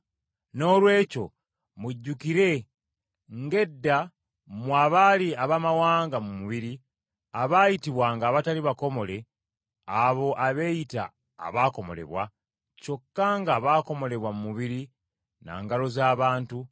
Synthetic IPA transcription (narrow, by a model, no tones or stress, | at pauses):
no̞ːlwe̞ːco̰ | muɟːukiɾe̞ | ŋɡe̞dːa | mwaːβaliaβamawaːŋɡamumuβiɾi | aβaːjitiβwaŋɡaːβataliβako̞mo̞le̞ | aβo̞ʔaβe̞ːjita̰ː | βaːko̞mo̞̰le̞̰βwa | t͡ʃo̞kːaŋɡaβaːko̞mo̞le̞βwamumuβiɾi | na̰ːŋɡalo̞zaːβaːntu